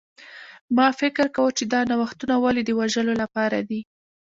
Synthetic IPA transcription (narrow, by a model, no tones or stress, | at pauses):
mɑfɪkɪɾkawət͡ʃed̪ɑnawaxt̪unawɑlid̪əwaʒəlolapɑɾa̰d̪i